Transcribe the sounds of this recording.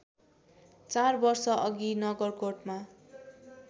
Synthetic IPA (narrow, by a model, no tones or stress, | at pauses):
t͡sarbʌrsʌʔʌɡinʌɡʌrkoʈma